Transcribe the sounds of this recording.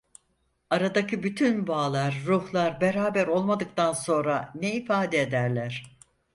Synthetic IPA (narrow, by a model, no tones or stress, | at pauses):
aɾad̪acɯbyt̪ʰynbaːlˠaɾːuhlˠaɾbe̞ɾaːbæɾo̞lˠmad̪ɯk̚t̪ʰanso̞nɾaneifaːd̪eːd̪æɾlʲæɾ̥